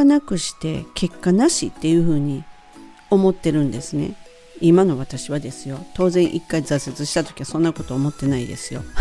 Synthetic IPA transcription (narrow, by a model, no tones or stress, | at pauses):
anakɯ̟ɕi̥t̪e̞̰ke̞kːanaɕit̪ːe̞jɯ̟ːɸɯ̟ːɲ̟i | o̞mo̞t̪ːe̞ɾɯ̟̃nd̪e̞sɨne̞̰ | imano̞β̞at̪aɕiβad̪e̞sɨjo̞t̪o̞ːzẽ̞ɰ̃ʔikːaizase̞t͡sɨɕi̥t̪at̪o̞̥kʲiβasõ̞nːako̞t̪o̞ːmo̞t̪ːe̞naid̪e̞̰sɨjo̞